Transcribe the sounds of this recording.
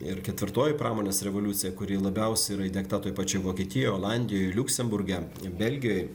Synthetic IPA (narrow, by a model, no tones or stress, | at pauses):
ɪɾkʲɛt̪ʲʋʲɪɾt̪oːjɪpɾɑːmoːnʲeːsɾʲɛʋolʲut̪sʲɪjɛkʊɾʲiːlˠɐbʲɛʊsʲɛiɾɐɪd̪ʲɛkt̪ɐt̪oːjpɐt͡ʃʲoːjʋoːkʲiːt̪ʲɪjoːjoːlˠɑnʲd̪ʲɪjoːjlʲʊksʲɛmbʊɾʲɡʲɛ | bʲɛlʲɡʲɪjoːj